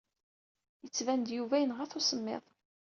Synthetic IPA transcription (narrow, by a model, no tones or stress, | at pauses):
jət͡sːvænd̪juvæjənʁəθosəmːḛðˤ